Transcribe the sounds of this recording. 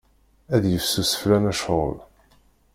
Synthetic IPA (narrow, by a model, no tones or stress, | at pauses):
æðjəfsusə̥flænæʃʁə̰l